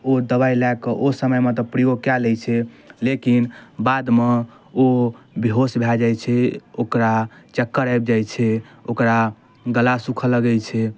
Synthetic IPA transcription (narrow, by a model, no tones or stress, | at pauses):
od̪əbailakəʔosəməjmet̪ɔpɾijokjalɛt͡ʃʰɛlekinbad̪me | obiɦosbʱɛd͡ʒajt͡ʃʰɛokɾat͡ʃəkːəɾajbd͡ʒajt͡ʃʰɛokɾa | ɡəlasukʰələɡɛjt͡ʃʰɛ